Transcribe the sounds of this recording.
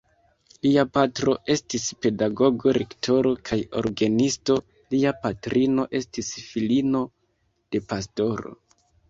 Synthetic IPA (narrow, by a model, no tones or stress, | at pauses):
liapatɾo̞ʔe̞stispe̞daɡo̞ɡo̞ɾektʰo̞ɾo̞kʰajo̞̰ɾɡanisto̞ | liapatɾʔino̞ʔe̞stisfilino̞ | d̥e̞pas̬to̞ɾo̞̰